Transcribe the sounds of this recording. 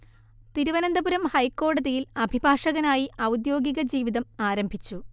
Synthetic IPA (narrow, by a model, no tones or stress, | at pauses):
t̪iɾuʋɐnɐnd̪ɐbuɾɐmhɐjkːo̞ːɽɐðijilɐbʱibʱaːʂɐɣɐnaːjiʔɐwd̪jo̞ːɡiɣɐd͡ʑiːʋiðɐmaːɾɐmbʱit͡ɕːu